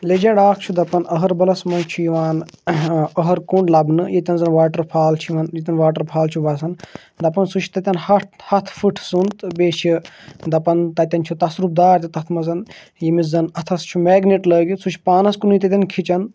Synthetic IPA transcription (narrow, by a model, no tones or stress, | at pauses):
led͡ʒɐɖaːk̚ʰt͡ʃʰud̪ɐpɐnəɦɐɾbɐlɐsmɐnt͡ʃʰujiʋaːn | əɦɐɾkuɳɖlɐbnɨjet̪ʲɐnzɐnʋaːʈɐɾpʰaːlt͡ʃʰuiʋɐnjit̪ʲɐnʋaːʈəɾpʰaːlt͡ʃʰuʋɐsɐn | d̪ɐpɐnsut͡ʃʰt̪ɐt̪ʲɐnhɐthɐt̪ʰfɨʈʰsunt̪beːʃʰi | d̪ɐpɐnt̪ɐt̪ʲɐnt͡ʃʰut̪ɐsɾup̚d̪aːɾt̪it̪ɐt̪ʰmɐzɐn | jimizɐnɐt̪ʰɐst͡ʃʰumɛːɡniʈləːɡisut͡ʃʰpaːnɐskunut̪ɐt̪̬ʲɐnkʰit͡ʃɐn